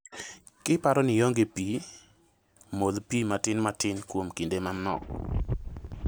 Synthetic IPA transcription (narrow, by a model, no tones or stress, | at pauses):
kɪpaɾɔnɪjoŋɡepi | molpimatɪnmatɪnkwomkindemanɔ̰k